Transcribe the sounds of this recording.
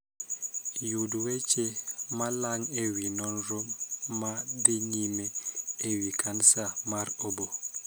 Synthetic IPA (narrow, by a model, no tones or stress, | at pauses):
juduwɛt͡ʃɛmalaŋewinɔnɾomːadeɲimɛːwikʰansamaɾobo